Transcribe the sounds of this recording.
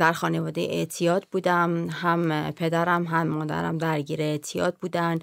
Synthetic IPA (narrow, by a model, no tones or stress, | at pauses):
d̪æɾxɒːne̞vɒːd̪ejḛʔḛʔt̪ʰijɒːd̪buːd̪æmɦæmpʰe̞d̪æɾæmɦæmːɒːd̪æ̰ɾæ̰md̪æɾɟiːɾeet̪ʰijɒ̰ːd̪̚buːd̪ænd̪